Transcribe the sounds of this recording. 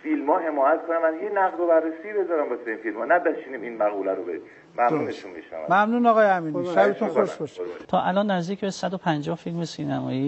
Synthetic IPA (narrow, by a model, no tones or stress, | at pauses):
filmɒːɦe̞mɒːjæt̪kʰonæmænhenæɣd̪ɾobærːesiːbezɒːɾæmbɒseiːnfilmɒːnæbæʃiniminmæɣuːlæɾobḛ | mæmuːneʃunmḭʃnæ̰væ̰mæmnuːnɒɣɒːjeæmiːnæbet̪ʰunoʃbɒʃt̪ʰɒːʔælɒːnːæzd̪iːcʰbesæd̪opʰænd͡ʒɒːhfilmesiːnæmɒːjiː